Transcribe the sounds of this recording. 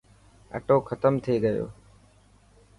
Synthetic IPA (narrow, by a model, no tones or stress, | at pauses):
ə̰ʈoːkʰət̪əmt̪ʰeːɡəjo̰ː